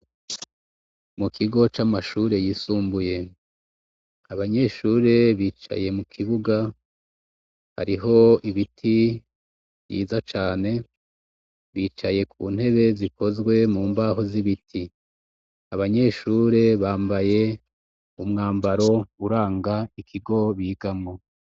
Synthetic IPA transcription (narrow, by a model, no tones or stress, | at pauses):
mukʰiɡo̞t͡ʃamaʃuːɾe̞jisuːmbuje̞ | aβaɲe̞ʃuːɾe̞βiːt͡ʃa̰je̞mukʰiβuɡa | ha̰ɾiɦo̞iβitʰi | βjḭːzat͡ʃaːne̞ | βiːt͡ʃaje̞kʰuːn̥he̞βe̞ziko̞zɡwe̞muːmbaɦo̞ziβitʰi | aβaɲe̞ʃuːɾe̞βaːmbaje̞ | umŋaːmbaɾo̞uɾaːŋɡaikʰiɡo̞βiːɡamŋo